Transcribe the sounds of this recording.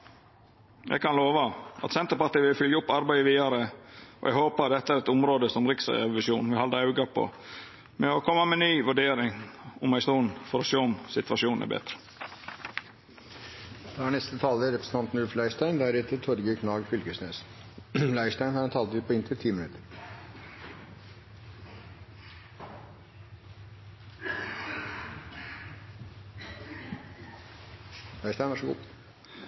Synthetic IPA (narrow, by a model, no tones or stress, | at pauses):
jʔɛ̰ɡkʰɑnloːʋɑʔɑ̰t̪sɛnt̪əɾpɑʈiːʋɪlfʏljəʊpːɑɾbæɪəʋiːɑɾəɔ̰ʔɛ̰ɡhoːpɑɾd̪ɛt̪ːəæːɾɛt̪ʊmɾoːd̪əsɔmɾɪksɑ̰ɛɛʋɪsjuːnʋɪhɑləɑʉɡɑpʰo̰ | mɛɔkʰɔmːəmɛnyːʋʉɖeːɾɪŋʊmæɪsuːnfɔɾɔʃøːɔmsɪt̪ʋɑʂuːnnæ̰ɾbɛ̰t̪ɾə̥ | d̪̥ɑæːɳɛst̪ət̪ʰɑːləɾɛpɾsn̩t̪ɑnt̪n̩ʉlflæɪʂtæɪnd̪æɾɛt̪ʰət̪ʰɔɾɡəkʰɳɑːɡfʏlɡəʂneːs | læɪʂʈæɪnhɑɾɛnt̪ʰɑːlt̪ʉːt̪̚pɔɪnt̪ʰɪt̪ʰiːmɪnʉt̪ʰəɾ | læɪstæɪnʋɑʂɔɡṵː